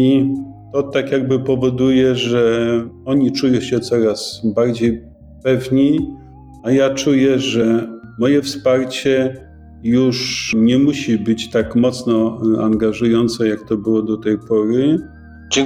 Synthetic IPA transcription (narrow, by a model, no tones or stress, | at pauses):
i | t̪ɔt̪akʲjaɡ̚bɘpɔvɔd̪ujɛʐɛɔɲit͡ʂujɔ̃ɕɛt̪sɔɾasbaɾd͡ʑej | pɛvɲi | ajat͡ʂujɛʐɛmɔjɛfspaɾt͡ɕɛ | juʂɲɛmuɕibɘt͡ɕt̪akmɔt̪snɔa̰ŋɡaʐujɔnt̪sɛjakt̪ɔbɘwɔd̪ɔt̪ɛjpɔɾɘ